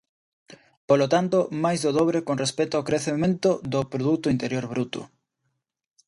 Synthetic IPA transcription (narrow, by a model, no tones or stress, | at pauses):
polot̪ant̪omajzðoðoβɾekonrespɛt̪oaokɾeθemẽnt̪oðʊpɾoðut̪ʊint̪eɾjoɾβɾut̪ʊ̰